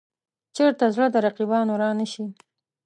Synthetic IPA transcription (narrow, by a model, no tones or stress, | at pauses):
t͡ʃeɾt̪azɽəd̪əɾaqibɑnoɾɑnəʃi